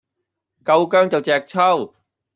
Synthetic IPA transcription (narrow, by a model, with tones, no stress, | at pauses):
kɐ˧wkœː˥ŋt͡sɐ˨wt͡sɛː˨k̚t͡sʰɐ˥˩w